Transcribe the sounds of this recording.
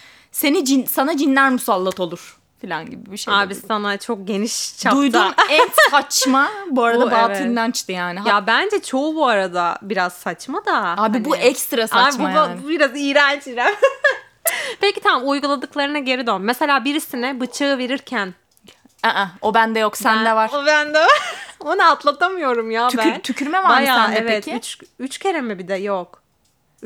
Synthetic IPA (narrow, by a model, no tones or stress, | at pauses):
se̞nid͡ʒinsanad͡ʒinlʲæɾmusalˠːat̪ʰo̞lˠuɾ̥ | filʲa̰nɟibibiʃeaːbisanat͡ʃʰo̞k̚ɟe̞niʃt͡ʃʰad̪ujd̪uɛsat͡ʃmabuaɾad̪abaːinlant͡ʃt̪ʰijaːnijabænd͡ʒɛt͡ʃʰo̞ubuaɾad̪abiɾaz̥sat͡ʃmad̪aaːbibuʔɛkst̪ɾasaaːbimbuajabiɾazijɾant͡ʃiɾæm | pecit̪ʰamamujɡulˠad̪ɯklˠaɾɯnaɟe̞ɾid̪ønːese̞lʲaːbiɾisinɪbɯt͡ʃʰɯɯve̞ɾiɾcʰæn | ɛʔɛobænd̪ɛjoksænd̪ɛvaɾobænd̪ɛonaat̪lˠat̪ʰamɯjo̞ɾumjaːyænt̪ʰycʰyɾmɛvabamjaɛvɛet̪ʰɪyt͡ʃyt͡ʃcʰeɾemɛbid̪ɛjok